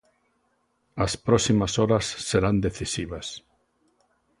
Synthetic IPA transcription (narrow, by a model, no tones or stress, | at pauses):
aspɾɔsimasɔɾasːeɾand̪eθisiβ̞as